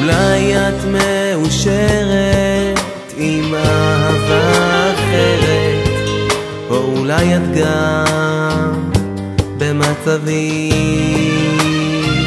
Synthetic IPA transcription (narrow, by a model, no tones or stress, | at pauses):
ulajat̪meuʃeʁet̪ | imaɦavaːχeʁet̪ | boulajat̪ɡa | bemat͡savi